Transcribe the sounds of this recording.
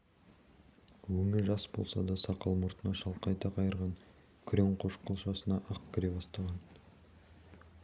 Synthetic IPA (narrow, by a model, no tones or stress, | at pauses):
wɵmɪɾʒɑsbo̞̰lˠsɑ̰d̪ɑsɑqɑlˠmʊɾt̪ənɑʃɑlˠqɑjt̪ɑqʰɑjəɾʁɑŋ | kʲʰɾeŋqʰoʃqʰəlˠʃɑsənɑʔɑqkʲʰɪɾe̞bɑst̪ɑʁɑn